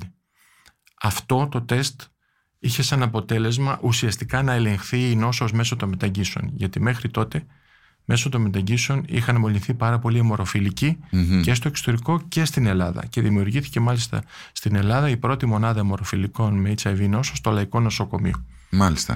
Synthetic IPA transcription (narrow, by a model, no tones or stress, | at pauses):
ɐft̪o̞t̪o̞t̪e̞st̪ | içe̞sɐnɐpo̞t̪e̞le̞zmɐʔusiɐst̪ikɐnɐe̞le̞ŋxθiːno̞sozme̞sot̪o̞nme̞t̪ɐɲɟiseo̞̰nʝɐt̪ime̞xɾit̪o̞t̪e̞ | me̞sot̪o̞nmet̪ɐɟiseonḭxɐnmo̞lniθipɐɾɐpo̞limo̞ɾo̞filicice̞st̪o̞ekso̥t̪e̞ɾiko̞ce̞st̪ine̞lɐðɐ̰ce̞ðimiuɾʝiθi̥ce̞mɐlist̪ɐ̰ | st̪ine̞lɐðɐipɾo̞t̪imo̞nɐðɐmo̞ɾo̞filiko̞nmeit͡sɐvino̞sost̪olɐiko̞no̞so̞ko̞mḭo | mɐlist̪ɐ̰